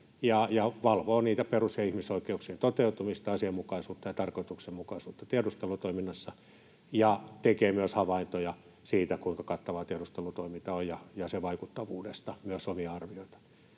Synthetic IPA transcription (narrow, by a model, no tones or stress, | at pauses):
jɑjɑʋɑlʋoːniːt̪æperuseɑihmisoikːeuksient̪ot̪eut̪umist̪ɑɑsiɑmmukɑisuːt̪ːɑjɑt̪ɑrkoit̪uksemmukɑisuːt̪ːɑt̪iedust̪elut̪oiminːɑsːɑ | jɑt̪ekeːmyøshɑʋɑint̪ojɑ | siːt̪ækuiŋkɑkɑt̪ːɑʋɑːt̪iedust̪elut̪oimint̪ɑojjɑjɑseʋɑikut̪ːɑʋuːdest̪ɑmyøsomiɑɑrʋioit̪ɑ̥